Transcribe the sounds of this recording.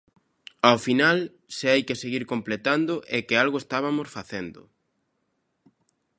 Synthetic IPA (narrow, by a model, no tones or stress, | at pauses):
awfinal | seajkɪseɣiɾkomplet̪and̪ʊʔɛkɪalɣʊest̪aβamosfaθend̪ʊ̰